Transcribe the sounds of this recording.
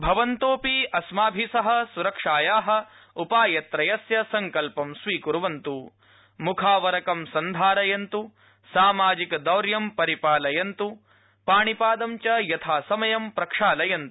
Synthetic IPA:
bʱɐʋɐnt̪oːpiɐsmaːbʱisɐɦɐ̆suɾɐkʂaːjaːɦɐ̆ | upaːjɐt̪ɾɐjɐsjɐsɐŋkɐlpɐmsʋiːkuɾuʋɐnt̪u | mukʰaːʋɐɾɐkɐmsɐnd̪ʱaːɾɐjɐnt̪u | saːmaːd͡ʒikɐd̪ɐwɾjɐmpɐɾipaːlɐjɐnt̪u | paːɳipaːd̪ɐmt͡ʃɐjɐt̪ʰaːsɐmɐjɐmpɾɐkʂaːlɐjɐnt̪u̥

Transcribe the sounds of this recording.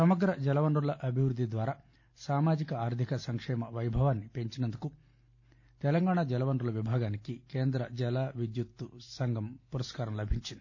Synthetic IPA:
sɐmɐɡɾɐd͡ʒɛlɐʋɐnɖɾulɐʔɐbʱiʋɾud̪ʱːid̪ʋaːɾaː | saːmaːd͡ʒikɐaːɾt̪ʰikɐsɐŋkʂɛːmɐʋɐjbʱɐʋaːnːipe̞ɲt͡ʃinɐnd̪uku | t̪ɛlɐŋɡaːɳad͡ʒɛlɐʋɐnɖɾulɐʋibʱaːɡaːnikikeːnd̪ɾɐd͡ʒɛlaːʋid̪jut̪ːusɐŋɡɐmpuɾɐskaːɾɐmlɐbʱiɲt͡ʃind̪i̥

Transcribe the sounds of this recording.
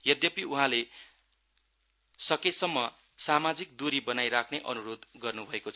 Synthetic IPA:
jʌd̪jʌpiuɦãle | sʌkesʌmːʌ | samad͡zik̚d̪uɾibʌnajɾakʰneʔʌnuɾod̪ɡʌrnubʱʌekot͡sʰʌ

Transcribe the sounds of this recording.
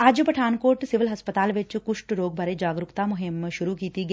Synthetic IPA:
aːd͡ʒpɐʈʰaːnkoːɾʈsɪʋɪlɦɐspət̪aːlʋɪt͡ʃkʊʂʈɾoːɡ̚bʱɐɾed͡ʒaːɡɾʊkt̪amʊɦɪmʃʊɾukiːt̪iɡɐ

